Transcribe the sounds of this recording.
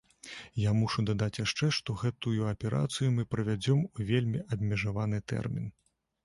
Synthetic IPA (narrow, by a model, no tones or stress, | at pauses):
jamuʂud̪ad̪at͡sʲjaʂt͡ʂɛʂt̪ɔɣɛt̪ujuɐpʲɛɾʔa̰t̪sɨjumɨpɾɐvʲad͡zʲɔmuvʲelʲmʲiʔɐbʲmʲɛʐavanɨt̪ɛ̰rmʲin